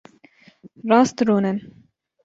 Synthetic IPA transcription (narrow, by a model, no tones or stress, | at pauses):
ɾɑːst̪ɾoːnɛn